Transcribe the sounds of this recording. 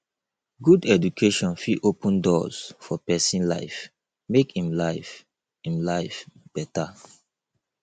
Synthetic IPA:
ɡudɛd͡ʒukʰeʃɔ̃nfiʔopə̃ndɔz̥fɔpɛsĩnla̰ɪf | mekĩmlaɪf | ĩmlaɪfb̥ɛta

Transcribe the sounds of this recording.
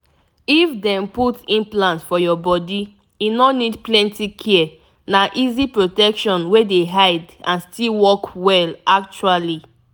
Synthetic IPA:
ifdɛ̃mputĩnplãntfɔjɔbɔdi | junɔnidplɛ̃ntikʰɛɛ | naʔizipɹotɛkʃɔ̃nwedeɦaɪd | ãnstilwɔkwɛlak̚t͡ʃuali

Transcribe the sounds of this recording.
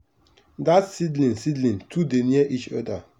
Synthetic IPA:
datsidlĩnsidlĩntʰudeniɛʔit͡ʃɔda

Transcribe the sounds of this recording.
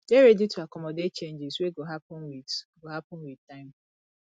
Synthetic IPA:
deɾeditʰuakɔmɔdet̚t͡ʃẽnd͡ʒɪsweɡoɦapnwiɡoɦapɔ̃nwitaɪ̃m

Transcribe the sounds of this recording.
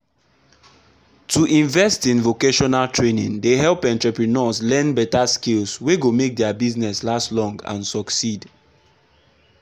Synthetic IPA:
tʰuʔĩɱvɛstĩnvokeʃɔnaltɹenĩŋdeɦɛlˠpɛ̃ntɹɛpɹinɔslɛ̃nbɛtaskilsweɡomek̚dɛabiznɛslastlɔ̃ŋɡã̰nsɔksid

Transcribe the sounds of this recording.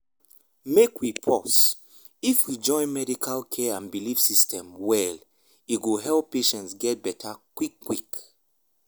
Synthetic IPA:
mekwipʰɔs | ifwid͡ʒɔ̃ɪ̃nmɛdikʰalkʰɛãnbilifsistʰɛ̃mwɛl | iɡoɦɛlpːeʃɛ̃ntsɡɛt̚bɛtʰakwikːwik

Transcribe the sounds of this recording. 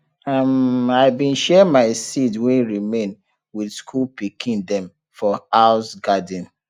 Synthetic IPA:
amaɪbĩnʃɛmaɪsitwɛ̃nɹimẽn | widskʰulpikʰĩndɛ̃m | fɔaʊsɡadĩn

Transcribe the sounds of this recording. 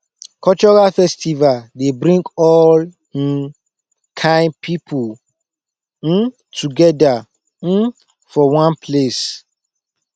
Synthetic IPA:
kʰɔt͡ʃɔɹalfɛstivaldebɾĩŋɡɔl̩ | kʰãɪ̃npʰipʰu | tʰuɡɛda | n̩ | fɔwãnpʰles

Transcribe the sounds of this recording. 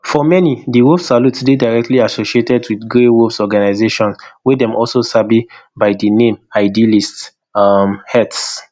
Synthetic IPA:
fɔmɛnidiwofsalutsdedaɪɹɛk̚tʰliasoʃietɛdwidɡɹewovsɔɡanaɪzeʃɔ̃nswɛdɛ̃mʔɔlsosabibaɪdinẽmaɪdilist | mhɛts

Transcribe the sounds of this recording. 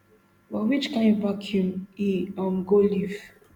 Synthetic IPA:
bɔwit͡ʃkãɪ̃ndvakʰjũmiãmɡoliv

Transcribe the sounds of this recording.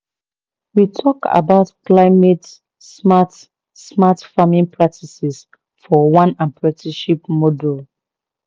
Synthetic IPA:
witʰɔka̰baʊtklaɪmet | smat | smatfamĩnpʰɹak̚tʰisɛs | fɔwãnãmpɹɛtiʃipmɔdul

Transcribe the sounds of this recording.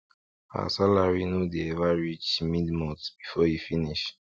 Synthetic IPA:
ha̰salaɹinudeɛvaɹit͡ʃmidmɔtb̥ifɔhifiniʃ

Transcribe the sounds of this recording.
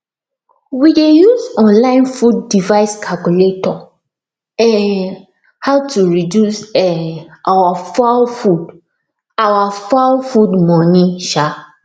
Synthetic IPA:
widejuzɔ̃nlãɪ̃nfudːivaɪskʰalkuletɔ | ɛn | haʊtuɹidjusɛʔawafafud | awafalfudmɔniʃa

